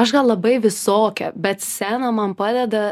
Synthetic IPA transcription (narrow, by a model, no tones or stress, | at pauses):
ɐʃɡɐlˠlˠɐbɐɪʋʲɪsoːkʲɛ̰bʲɛt̪sʲæːnɐmɐnpɑːd̪ʲɛd̪ɐ